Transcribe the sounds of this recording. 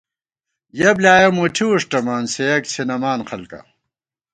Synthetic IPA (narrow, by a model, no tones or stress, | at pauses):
jɐblaːjɐmuʈʰiuʂʈɐmaːnsejɐkt͡ɕʰinɐmaːnqɐlkɐ̰